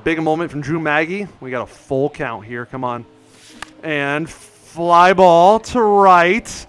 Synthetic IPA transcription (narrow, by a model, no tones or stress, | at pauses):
bɪɡɨmõʊ̃mɨ̃ntfɹʌ̃m̩d͡ʒʉ̃mæɡiwiɡɑɾəfʊlˠkʰãʊ̃nʔ̚ɦiɹkʰʌ̃mə̃n | ʔɨ̃n | flaɪbɔlˠtʰəɹaɪt̚